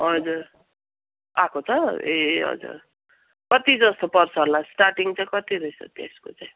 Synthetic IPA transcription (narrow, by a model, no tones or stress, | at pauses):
ɦʌd͡zuɾ | a̰kʰot͡sʰʌeɦʌ̰d͡zṵr | kʌt̪id͡zʌst̪opʌrt͡sʰʌlasʈarʈiŋt͡saj̃kʌt̪iɾʌjsʰʌ̰t̪ḛsko̰t͡saj̃